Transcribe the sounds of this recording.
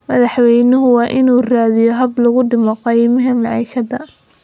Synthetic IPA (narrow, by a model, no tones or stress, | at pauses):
mɐðɑħwɛjnʊɦʊwɑːʔɪnuːraːðɪjɔɦɐblɐɣʊɖɪmɔqɑɪmɪɦɐmɑʕḭːʃɐðɐ